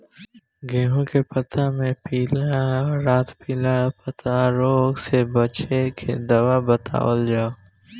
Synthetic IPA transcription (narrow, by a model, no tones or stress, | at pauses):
ɡeːɦõkepət̪ʰamẽpiːlaɔɾaːt̪piːlapət̪ʰaɾoːɡsebət͡ʃekʰḛd̪əʋabət̪ʰa̰ːəld͡ʒaːo